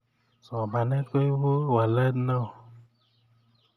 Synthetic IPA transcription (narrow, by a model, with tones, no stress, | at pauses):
sɔ˨ba˨nɛ˦ko˦i˦wo˦wa˨lə˦nɔ˦˨